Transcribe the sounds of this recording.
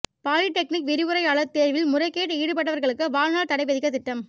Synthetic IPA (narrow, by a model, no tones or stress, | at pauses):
paːɻɪʈːɛk̚nɪkʋɪɾɪʋɯɾɐɪaːɭɐt̪ːeːɾʋɪlmʊrɐɪkːeːʈːiːɽɯpɐʈːɐʋɐɾɣɐɭɯkːɯʋaːɻnaːɭt̪ɐɽɐɪpːɐðɪkːɐt̪ɪʈːɐm